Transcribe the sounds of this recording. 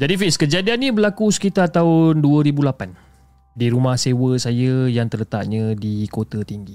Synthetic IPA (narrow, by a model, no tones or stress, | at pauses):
d͡ʒadifiskəd͡ʒadianːibəlakusə̥kit̪art̪aʊnduəɾibulapan | diɾumahsewəsajəjaŋt̪ələt̪aʔ̚ɲãdikot̪at̪iŋɡi